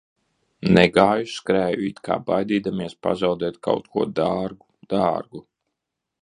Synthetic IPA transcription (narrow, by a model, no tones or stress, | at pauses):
nɛɡaːjuskɾæːjuit̪kʰa̰ːbajd̪iːd̪amiɛspa̰zawd̪ɛːt̪̚kʰa̰wt̪̚kʰuɔd̪aɾɡud̪̥aːɾɡu